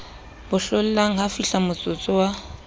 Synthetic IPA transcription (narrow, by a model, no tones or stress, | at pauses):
b̥ʊɬʊl̩laŋ̩hafiɬamʊt͡sʼʊt͡sʼʊwa